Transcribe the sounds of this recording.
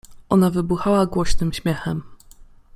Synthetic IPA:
ʔɔnavɘbuxawaɡwɔɕnɘmɕmʲjɛxɛm

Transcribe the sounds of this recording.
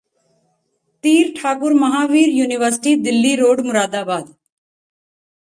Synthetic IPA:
t̪iːɾʈʰaːkʊɾməɦaːʋiːɾjuːnɪʋəɾsɪ̥ʈiːd̪ɪlːiːɾoːɖmʊɾaːd̪aːbaːd̪

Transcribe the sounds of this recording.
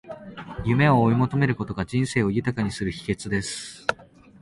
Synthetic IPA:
jɯ̟me̞o̞ːimo̞t̪o̞me̞ɾɯ̟ko̞t̪o̞ɡaʑĩɰ̃se̞ːo̞jɯ̟t̪akaɲ̟isɨɾɯ̟çi̥ke̞t͡sɨd̪e̞sɨ̥

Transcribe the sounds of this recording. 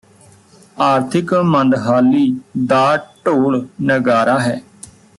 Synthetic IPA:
aːɾt̪ʰɪkmə̃nd̪ɦaːliːd̪aːʈoːɽnəɡaːɾaːɦɛː

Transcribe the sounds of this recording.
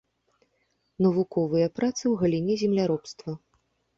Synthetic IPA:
nɐvukɔvɨjɐpɾat̪sɨwɣɐlʲinʲɛzʲɛmlʲaɾɔpst̪vɐ

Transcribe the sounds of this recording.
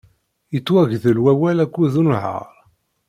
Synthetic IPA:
jət͡sːwæʝðəlwæwælækʷːuðunʕə̰ɾˤ

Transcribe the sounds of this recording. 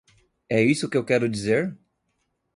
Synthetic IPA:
ɛisʊkɪewkɛɾʊd͡ʒizeɾ

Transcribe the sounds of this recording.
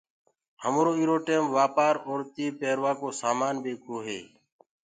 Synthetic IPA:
həmɾoːiːɾoːʈeːmʋaːpaːɾoːɾt̪iːpeːɾʋaːkoːsaːmaːnbeːkʰoːɦḛː

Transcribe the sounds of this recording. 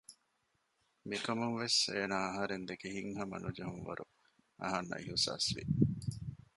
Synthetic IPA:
mikɐmuŋʋeseːnaːɐɦɐɾend̪ekehiŋɦɐmɐ̰nud͡ʒɐɦuŋʋɐ̰ɾʔu | ɐ̰ɦɐnːʔɐ̰ʔiɦusa̰ːsʋḭ

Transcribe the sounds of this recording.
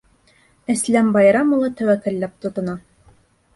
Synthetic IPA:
æslæmbɑjɾɑmulˠɑt̪æwækæ̆llːæp̚t̪ŏt̪ŏnɑ

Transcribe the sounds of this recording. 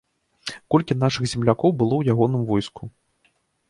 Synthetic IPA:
kɔlʲkʲinaʂɨɣzʲɛmlʲakɔwbɨlˠɔwjaɣɔnɨmvɔjsku

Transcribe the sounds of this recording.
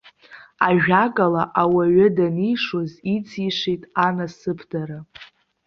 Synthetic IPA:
aʒᶣaɡʼalaʔawaɥɪdanijʂozit͡sʰʼiʂʷejtʼanasɨpʰdaɾa

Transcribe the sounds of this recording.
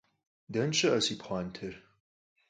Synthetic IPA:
dɐnt͡ʃʼɨʔɐsipʰχʷaːntʰɨr

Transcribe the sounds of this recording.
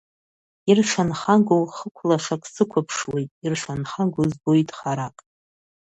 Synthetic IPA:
irʂʷanχaɡowχəkʷʰlaʂakʼsɨkʷʰapʰʂwejtʼirʂʷanχaŋɡʷozbojtʼχaɾakʼ

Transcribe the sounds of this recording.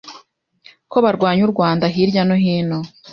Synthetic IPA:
ko̞βaɾɡwaːɲuɾɡwaːndaɦiːɾɟanoɦiːno

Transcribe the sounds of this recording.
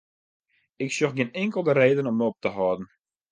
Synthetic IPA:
ɪksjoxɡɪənɪŋkəlˠdəɾeːdənɔmːəɔp̚təɦɔːdn̩

